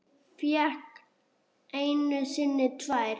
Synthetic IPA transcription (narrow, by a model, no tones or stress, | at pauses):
fjɛk | ejnʏsɪnːɪt̪ʰvajɾ